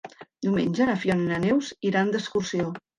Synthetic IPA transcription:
d̪iwmḛnʲʒənəfjɔninənewziɾand̪əskursio

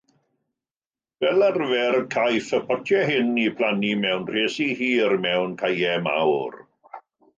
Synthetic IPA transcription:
v̥ɛlarvɛrkʰajfəpʰɔtʰjɛɦɪnipʰl̥animɛwnr̥eːsihiːrmɛwnkʰajɛma̰wr

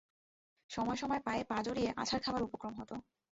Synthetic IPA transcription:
ʃɔmɔeʃɔmɔepaepad͡ʑoɾieʔa̰t͡ɕʰaɾkʰabaɾupokɾomɦɔt̪o

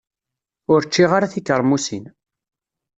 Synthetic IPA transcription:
ʊɾt͡ʃːiʁaɾaθikːəɾˤmusin

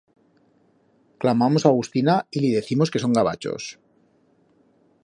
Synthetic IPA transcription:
klamamo̞saɣust̪inailiðe̞θimo̞ske̞so̞ŋɡaβa̰t͡ʃo̞̰s

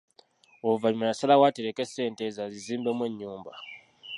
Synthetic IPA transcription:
ovaɲimenasalawateɾeke̞se̞ːnte̞zaziziːmbe̞mwe̞ɲːuːmba

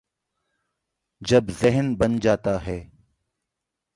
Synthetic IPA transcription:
d͡ʒɐbzɪɦənbɐnd͡ʒaːt̪aɦɛː

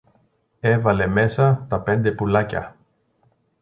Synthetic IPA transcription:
e̞vɐle̞me̞sɐt̪ɐpe̞nd̪e̞pulɐcɐ̰

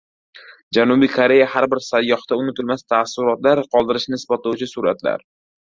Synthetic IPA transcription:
d͡ʒanʊbikʰoɾe̞jahaɾbɪɾsajːɒχt̪aʊnɪt̪ʰɪlmast̪ʰasʊɾɒt̪laɾqʰɒlˠd̪ɪɾɪʃnɪɪsbat̪lawt͡ʃʰɪsʊɾa̰t̪la̰ɾ

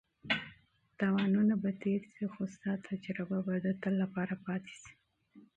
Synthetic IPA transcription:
t̪ɑwɑnunabat̪eɾsixost̪at̪ʰad͡ʒɾababad̪ət̪əlːapɑɾapɑt̪e̥si̥

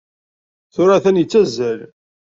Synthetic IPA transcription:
θʊɾaθænjət͡sːæzːæl

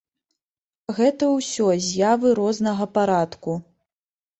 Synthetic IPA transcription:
ɣɛt̪ɐwsʲɔzʲjavɨɾɔznɐɣɐpaɾat̪ku

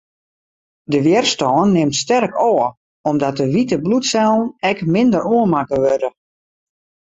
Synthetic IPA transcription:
dəʋjɛrstɔːnːɪmtstɛrkɔːə | ɔmdɔt̚əʋitəblutsɛlˠn̩ɛkmɪndəɾoənmakəʋødə

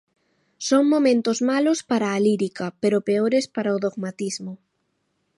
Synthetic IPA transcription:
soŋmomẽnt̪ozmalospaɾaːliɾikapeɾopeoɾespaɾaoðoɣmat̪izmo

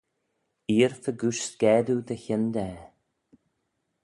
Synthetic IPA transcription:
iːɾθəɡuʃɡ̥ɛːd̪ud̪əçɪnd̪ɛ

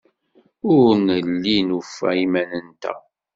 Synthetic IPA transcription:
ʊɾnəlːinufæ̰imænənt̪æ̰

